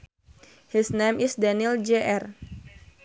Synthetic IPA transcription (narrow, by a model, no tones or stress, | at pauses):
hisnamisdanild͡ʒeʔɛr